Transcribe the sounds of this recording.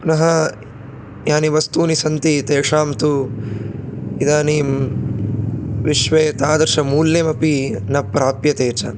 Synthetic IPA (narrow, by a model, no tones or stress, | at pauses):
nɐɦɐ | jaːniʋɐst̪uːnisɐnt̪it̪eːʂaːmt̪u | id̪aːniːm | ʋiʃʋeːt̪aːd̪ɐɾʃɐmuːlːeːmɐpinɐpɾaːpjɐt̪eːt͡ʃɐ̰